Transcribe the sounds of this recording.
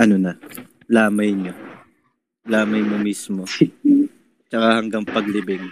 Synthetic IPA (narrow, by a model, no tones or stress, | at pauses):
ʔɐnonɐ | laːmɐjɲo | laːmɐjmomiːsmo | t͡ʃɐkahɐŋɡɐŋpɐɡlɪbɪŋ